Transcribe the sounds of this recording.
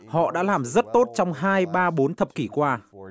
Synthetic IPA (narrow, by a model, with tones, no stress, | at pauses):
hɔ̰˧˨ɗa̰ː˧˥laː˨˩mzə˦˥t̚t̪o˦˥t̚t͡ɕɔ˧wŋ͡mɦaː˧jɓaː˧ɓo˨˦nt̪ʰə˨˩p̚ki˧˩kwaː˧